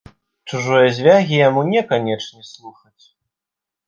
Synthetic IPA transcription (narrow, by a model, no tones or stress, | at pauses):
t͡ʂuʐɔjɐzʲvʲaɣʲijamunʲɛkanʲɛt͡ʂnʲɛslˠuxɐt͡sʲ